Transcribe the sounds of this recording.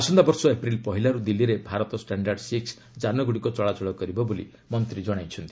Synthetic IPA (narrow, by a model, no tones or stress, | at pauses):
asɔnd̪abɔɾsɔepɾilpɔɦilaɾud̪ilːiɾebʱaɾɔt̪ɔsʈaɳɖaɾɖsiks | d͡ʒanɔɡuɽikɔt͡ʃɔɭat͡ʃɔɭɔkɔɾibɔbolḭ | mɔnt̪ɾid͡ʒɔɽ̃ajt͡ʃʰɔnt̪i